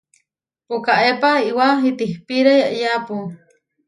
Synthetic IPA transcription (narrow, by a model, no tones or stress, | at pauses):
pukaʔepaiwaɦit̪ihpiɾajaʔjapu